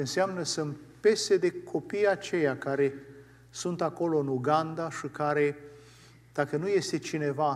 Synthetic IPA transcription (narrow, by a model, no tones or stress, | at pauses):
ɨnseamnəsɨnt̪pe̞sed̪e̞kʰo̞pijat͡ʃe̞jakaɾe̞ | sunt̪ako̞lo̞ɨnuɡand̪aʃikaɾe̞ | d̪̥akənuje̞st̪e̞t͡ʃine̞va